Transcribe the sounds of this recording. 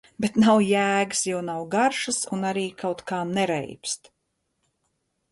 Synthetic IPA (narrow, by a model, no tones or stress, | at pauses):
bet̪nawjæːɡɨsjawnawɡaɾʃasunaɾiːkawt̪kaːnɛɾɛ̰jpst̪